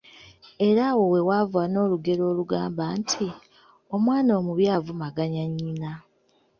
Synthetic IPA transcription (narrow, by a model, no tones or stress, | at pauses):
e̞ɾawo̞we̞wavuano̞ːluɡe̞ɾo̞ːluɡaːmbaːntʰi | o̞mwaːnoːmuβjaːvumaɡaɲaɲːina